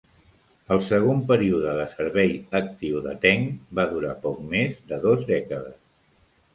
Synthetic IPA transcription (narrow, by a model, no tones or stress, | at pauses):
əlˠsəɣ̞ompəɾiuðəðəsəɾβɛjək̚t̪iwðə̰t̪ɛŋbaðuɾapɔk̚mezd̪əðozðɛkəðəs